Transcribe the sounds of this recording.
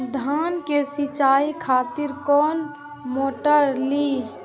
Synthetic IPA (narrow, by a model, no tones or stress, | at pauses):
d̪ʱaːnkesɪt͡ʃaːikʰaːt̪ɪɾkɔːn | moːʈəɾliː